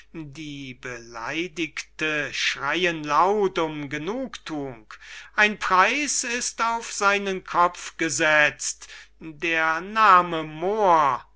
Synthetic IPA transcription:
diːbəla̰ɪdɪktəʃʁ̥aɪənlaʊtʊmɡənuːktʰuːŋkʔaɪnpʁ̥aɪsɪstaʊfz̥aɪnənkʰɔp͡fɡ̥əzɛt͡stdeːɐnaːməmoːɐ

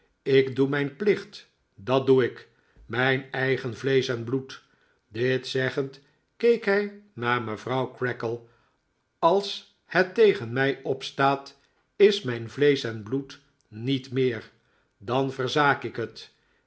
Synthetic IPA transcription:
ɪɡdumɛjnplɪχt | dɑt̚duɪk | mɛjnɛjχənvlejsɛnblut | dɪtsɛχənt | kejkɦɛjnaːɹməvrʌwkɹɛkəlˠ | ɑlˠs | hətejχənmɛjɔpstaːt | ɪsmɛjnvlejsɛnblut | nitmɪːɹ | dɑnvərzaːkɪkɦət

